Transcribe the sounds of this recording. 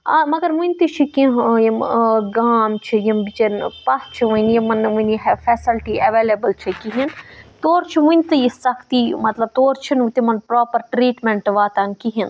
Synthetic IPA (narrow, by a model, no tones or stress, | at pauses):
amɐɡɐɾmunʲt̪ɨt͡ʃʰikĩɦjimɡaːmt͡ʃʰijɐmbit͡ʃɐnpɐst͡ʃʰiʋɐnjimɐnʋunjiɦfʰeːsilʈiɐʋeːlebəlt͡ʃʰikiɦint̪oːɾt͡ʃʰimunʲt̪ɨjisɐkʰt̪iːmɐt̪lɐb̚t̪oːɾt͡ʃʰinut̪imɐnpɾoːpɐɾʈɾiːʈmeɳʈʋaːt̪ɐnkiɦin